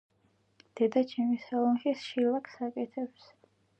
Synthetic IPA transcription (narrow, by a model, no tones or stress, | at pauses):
d̪̥ɛd̪at͡ʃʰɛmisalˠɔnχisʃilakʰsakʼɛt̪ʰɛps